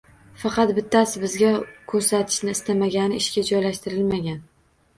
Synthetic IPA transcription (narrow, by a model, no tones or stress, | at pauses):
fɑqɑt̪bɪt̪ʰːasɪbɪzɡʲakʲʰɵɾsat̪ʰɪ̥ʃnɪːst̪ʰamaɡʲanɪɪʃkʲad͡ʒɒjlaʃt̪ɪɾɪlmaɡʲan